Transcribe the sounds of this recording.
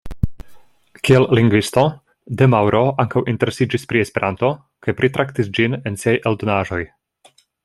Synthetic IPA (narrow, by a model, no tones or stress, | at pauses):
kiellːiŋɡvist̪o | d̪emawɾʔoʔaŋkawʔinteɾesid͡ʒispɾiespe̞ɾʔant̪o | kajpɾit̪ɾʔakt̪isd͡ʒinensiajʔeld̪onaːʒo̞j